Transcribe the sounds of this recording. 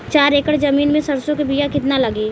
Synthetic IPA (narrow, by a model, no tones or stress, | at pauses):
t͡ʃaːɾeːkəɽd͡ʒɐmiːnmẽsɐɾsõk̬ebijakɪt̪nalɐɡeː